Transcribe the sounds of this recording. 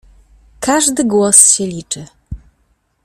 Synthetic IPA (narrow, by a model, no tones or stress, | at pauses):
kʰaʐd̪ɘɡwɔsɕɛlʲit͡ʂɘ